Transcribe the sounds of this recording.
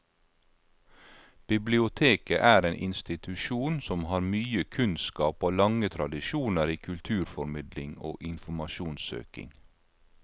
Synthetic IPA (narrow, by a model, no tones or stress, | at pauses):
b̥ɪblɪʊt̪ʰeːkəʔæːɾeːnʔɪnst̪ɪt̪ʰʉʃuːnsɔmhɑːɾmyːəkʰʉnskɑːpoːlɑŋət̪ʰɾɑd̪ɪʃuːnəɾiːkʰʉlt̪ʰʉːɾfɔɾmɪd̪lɪŋo̰ːʔɪnfɔmɑʃuːnsø̰ːkɪ̰ŋ